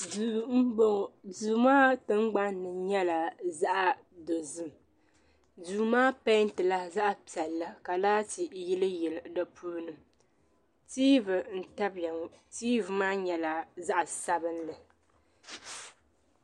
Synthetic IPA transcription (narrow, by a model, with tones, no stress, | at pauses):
u˨m̩˦bo˨duː˨maː˦tɨ˦ŋ͡mɡ͡ba˦nː˦ɨ˨ɲɛ˦la˨za˦ʔa˨ | do˨zɨ˦m | duː˨maː˦pa˦n˦tɨ˨la˦za˦ʔa˨pi˨ɛ˨lːa˦ka˨laː˦ti˨ji˦lɨ˦jɛ˨lɨ˨dɔ˦pʰuː˦nɨ˦ | tiː˦vɨ˨n̩˨ta˦ba˨ŋ˦tiː˦vɨ˨maː˦ɲɛ˨la˨za˦ʔa˨sa˦bɨ˦n˦lɨ˨